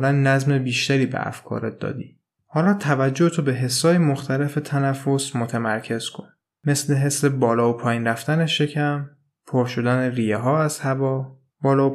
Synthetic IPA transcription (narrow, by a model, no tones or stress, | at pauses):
lænːæzme̞biːʃt̪æɾiːbḛæ̰fkʰɒ̰ːɾet̪̚d̪ɒ̰ːd̪ḭː | hɒːlɒːt̪ʰævæd͡ʒːohet̪ʰobe̞ɦe̞sːɒːjemoxt̪ʰæle̞fet̪ʰænæfːosmot̪ʰæmæɾcʰe̞z̥kʰo̞̰n | me̞sle̞ɦe̞sːe̞bɒːlɒːopʰɒːjiːnɾæft̪æne̞ʃe̞cʰæm | pʰoɾʃod̪æneriːjeɦɒːæz̥hævɒː | b̥ɒːlɒːo